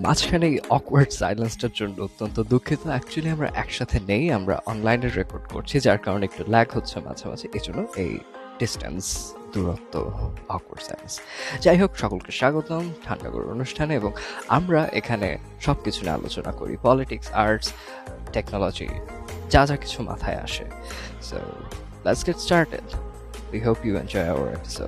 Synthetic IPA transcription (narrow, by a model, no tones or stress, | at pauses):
ma̰d͡ʑʰkʰanejɔkwaɾɖsa̰jlensʈaɾd͡ʑonːoot̪ːont̪od̪ukʰːit̪oɛk̚t͡ɕualiamɾa̰ʔɛkʃat̪ʰenejamɾa̰ʔɔnlajneɾːekoɾɖko̰ɾt͡ɕʰid͡ʑaɾkaɾoneek̚ʈulɛɡɦotːɕʰema̰d͡ʑʰʱama̰d͡ʑʰʱeʔed͡ʑonːoʔḛj | ɖisʈa̰ns | d̪uɾot̪ːo̰ɔkwa̰ɾɖsa̰jlḛnsd͡ʑajɦokʃɔkolkeʃaɡot̪omʈʰaɳɖa̰ɡo̰ɾ̰ɾo̰nuʃʈʰaneboŋamɾaʔekʰanḛ | ʃɔb̚kit͡ɕʰunḛa̰lo̰t͡ɕona̰koɾḭpɔliʈiksaɾʈs | ʈeknɔlɔd͡ʑḭ | d͡ʑad͡ʑaki̥t͡ɕʰuma̰t̪ʰaea̰ʃḛ | so̰ | lɛʈsɡɛʈsʈaɾʈḛɖ | wiɦopjuḛnd͡ʒɔjaʊa̰ɾḛpi̥so̰ɖ